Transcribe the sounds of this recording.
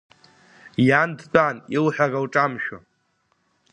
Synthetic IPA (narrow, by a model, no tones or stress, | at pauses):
jandt͡pʼanilħʷᶣaɡawʈ͡ʂʼamʃᶣa